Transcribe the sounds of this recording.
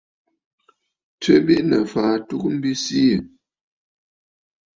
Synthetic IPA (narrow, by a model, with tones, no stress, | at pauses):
tə˦bi˦ʔnə˨faː˨tu˦k̚m̩˦bi˦si˦ə˨